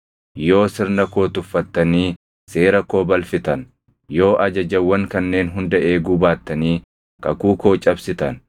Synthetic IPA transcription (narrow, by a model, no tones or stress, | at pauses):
jo̞ːsɪɾnɐko̞ːt̪ʊfːɐt̪ːɐniː | se̞ːɾɐko̞ːbɐlfɪt̪ɐn | jo̞ːʔɐd͡ʒɐd͡ʒɐwːɐŋkɐnːe̞ːnɦʊnd̪ɐʔeːɡʊbaːt̪ːɐniː | kɐkuːko̞ːt͡ʃʼɐbsɪt̪ɐn